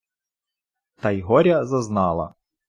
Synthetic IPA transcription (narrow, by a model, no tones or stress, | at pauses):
t̪ɐjɦɔɾʲɐzɐznɑlˠɐ̰